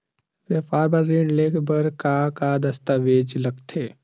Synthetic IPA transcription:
ʋjapaːɾbɐɾːeːɳɖleːkʰbəɾkakad̪ɐst̪aʋeːd͡ʒlɐɡt̪ʰeː

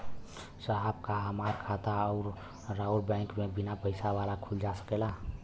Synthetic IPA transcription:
səɦabkaɦəmaːɾkʰat̪aɔʊɾ | ɾauɾbɛ̃ɪŋkmẽbɪnapəɪsaʋalakʰuld͡ʒasə̥kela

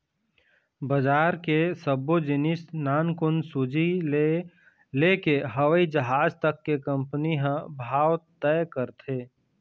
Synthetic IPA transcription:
bəd͡ʒaːɾkesəbod͡ʒɪnɪsnaːnkʊnsʊd͡ʒi | lekeɦəʋəid͡ʒəɦaːd͡ʒt̪əkːekə̃mpniɦə̃bʱaːwt̪ɛjkəɾt̪ʰeː

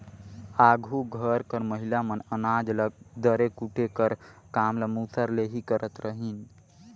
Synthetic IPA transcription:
aɡʱuɡʱəɾkəɾməɦilamənənad͡ʒləɡ̚d̪əɾekuʈʰekəɾkamləmusʰəɾleɦikəɾʔət̪ɾəɦin

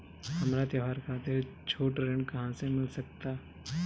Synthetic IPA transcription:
hɐmɾat̪jɐʋaːɾkʰaːt̪ɪɾt͡ʃʰoːʈɾẽɳɖkɐɦãsemɪlsɐk̚t̪aː

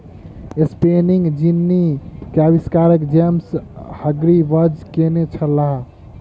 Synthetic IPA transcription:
espeniŋɡd͡ʒinːikeabiskaɾəkd͡ʒemshəɡɾibəd͡ʒkenet͡ʃʰəlaɦ

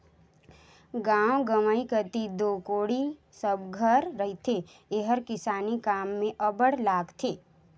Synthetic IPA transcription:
ɡaːwɡəməikət̪id̪oːkoːɽi | səbɡʱəɾːəɦit̪ʰe | eɦəɾkɪsaːnikaːmːẽʔəbəɽlaːɡt̪ʰeː

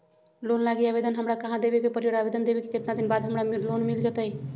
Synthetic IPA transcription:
lonlaɡiəbed̪ənɦəmɾakəɦãd̪ebekepəɾijəɽabed̪ənd̪ebekeket̪nad̪inbad̪ɦəmɾamlonmild͡ʒat̪əj

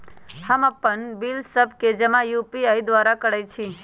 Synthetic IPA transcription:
həməpːəɳbilsəb̚ked͡ʒɛmãjupiaid̪ʋaɾakəɽajt͡ʃʰi

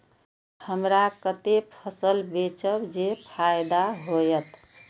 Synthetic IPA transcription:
həmɾakət̪epʰəsəlbet͡ʃəwd͡ʒepʰajd̪aɦojət̪

